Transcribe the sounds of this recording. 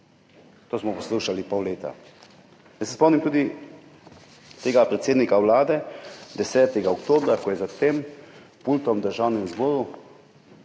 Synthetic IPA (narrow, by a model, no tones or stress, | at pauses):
t̪oːsmɔpɔsluʃalipɔwleːt̪a̰ | jəsɛspɔmnimt̪uːd̪i | t̪eːɡapɾɛt̪seːd̪nikawlaːd̪ɛd̪ɛsɛːt̪ɛɡaɔkt̪oːbɾakɔjɛzat̪em | pult̪ɔmd̪əɾʒawnimzbɔːɾu